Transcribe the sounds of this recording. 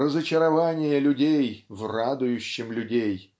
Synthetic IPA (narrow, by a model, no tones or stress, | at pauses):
ɾəzət͡ɕɪɾɐvanʲɪjəlʲʊdʲejvrad̪ʊjʊɕːɪmlʲʊdʲej